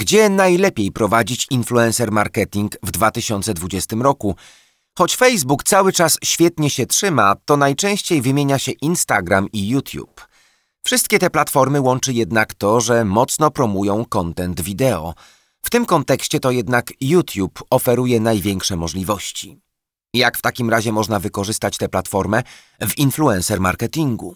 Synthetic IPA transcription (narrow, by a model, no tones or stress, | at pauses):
ɡd͡ʑɛnajlɛpʲjejpɾɔvad͡ʑit͡ɕinfluɛ̃nsɛɾmaɾkɛt̪ʲiŋɡvd̪vat̪ɘɕɔnt̪sɛd̪vud͡ʑɛst̪ɘmɾɔku | xɔt͡ɕfɛjzbukt̪sawɘt͡ʂasɕfʲjɛt̪ɲɛɕɛtʂɘmat̪ɔnajt͡ʂɛ̃w̃ɕt͡ɕejvɘmʲjeɲaɕɛʔinst̪aɡɾamijut̪ʰʲjṵp | fʂɘst̪̚kʲɛt̪ɛplat̪fɔɾmɘwɔnt͡ʂɘjɛd̪nakt̪ɔʐɛmɔt̪snɔpɾɔmujɔ̃w̃kɔnt̪ɛnd̪vʲid̪ɛɔ̰ | ft̪ɘmkɔnt̪ɛkɕt͡ɕɛt̪ɔjɛd̪nakjut̪ʲjupɔfɛɾujɛnajvʲjɛŋkʂɛmɔʐlʲivɔɕt͡ɕi | jakft̪akʲimɾaʑɛmɔʐnavɘkɔʐɘst̪at͡ɕt̪ɛplat̪fɔɾmɛ | vinfluɛ̃nsɛɾma̰ɾkɛt̪ʲiŋɡṵ